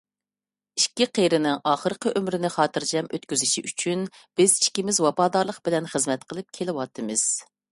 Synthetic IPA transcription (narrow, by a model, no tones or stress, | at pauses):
iʃkʲiqʰejɾɪnɪŋʔɑːχəɾqʰəʔømɾɪnɪχɑːt̪ɨɾd͡ʒɛmøt̪kʲyzɪʃiʔyt͡ʃʰyn | b̥ɪz̥iʃkʲimɪzwɑpɑːd̪ɑɾlˠəqb̥ɪlɛnχəzmɛt̪qʰəlˠɨp̚kʲʰelɪwɑt̪ʰɨmɨz̥